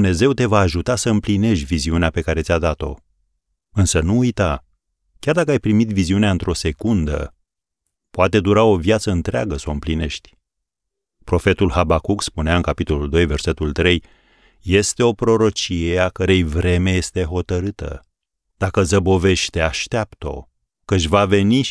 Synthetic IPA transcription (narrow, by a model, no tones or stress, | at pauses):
d̪umne̞ze̞wt̪e̞vaːʒut̪asəɨmpline̞ʃt̪ʲviziuneape̞kaɾe̞t̪sʲad̪at̪o̞̰ | ɨnsənuːjt̪a | kʲard̪akəajpɾimit̪viziuneaɨnt̪ɾʔo̞se̞kund̪ə̰ | poat̪e̞d̪uɾao̞vjat̪səɨnt̪ɾeaɡəsaoɨmpline̞ʃt̪ʲ | pɾo̞fe̞t̪ulɦabakukspuneaɨnkapit̪o̞luld̪o̞jve̞rse̞t̪ult̪ɾe̞j | je̞st̪e̞o̞pɾo̞ɾo̞t͡ʃije̞akəɾe̞jvɾe̞me̞je̞st̪e̞ɦo̞t̪əɾɨt̪ə̰ | d̪̥akəzəbo̞ve̞ʃt̪e̞aʃt̪eapt̪o̞̰ | kəʃvave̞ni